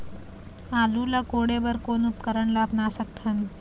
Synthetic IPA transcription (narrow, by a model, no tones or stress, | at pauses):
aːlulakoːɽebəɾkoːnʊt̪kəɾəɳlaːbnasək̚t̪ʰən